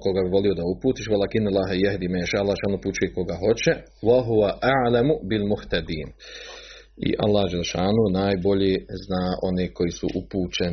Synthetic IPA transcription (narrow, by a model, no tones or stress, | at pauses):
ko̞ɡabiʋo̞lio̞d̪aupuːt̪iːʃʋalakinalːaːɦajaɦd̪iːmajiʃaːalˠːaːʃaːnuput͡ʃujeko̞ɡaɦo̞t͡ɕɛ | waɦuʋaʔaʕlamubilmuht̪ad̪iːn | ḭʔa̰lːaːhd͡ʒeleʃaːnunaːjbo̞ʎeːznaːʔo̞neːko̞jisṵʔupuːt͡ʃen